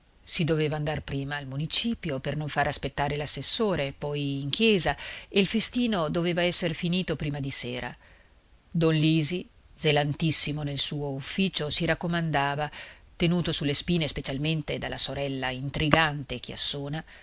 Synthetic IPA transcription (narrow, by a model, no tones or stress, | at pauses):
sid̪oveːvaːnd̪arpɾiːmaːlmunit͡ʃiːpjopernoɱfaːɾeaspet̪ːaːɾelasːesːoːɾepɔjiŋk̟jɛːzaeilfest̪iːnod̪oveːvaɛsːeɾfiniːt̪opɾiːmad̪iseːɾʔa̰ | d̪ɔnliːzi | d̪zelant̪isːimonelsuːoufːiːt͡ʃosiɾakːomand̪aːva | t̪enuːt̪osulːespiːnespet͡ʃalment̪ed̪alːasoɾɛlːaint̪ɾiɡant̪ek̟ea̰sːoːna